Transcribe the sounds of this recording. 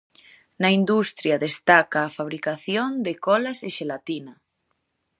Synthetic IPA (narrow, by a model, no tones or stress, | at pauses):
naind̪ust̪ɾjaðest̪akaːfaβ̞ɾikaθjond̪ekɔlaseʃelat̪ina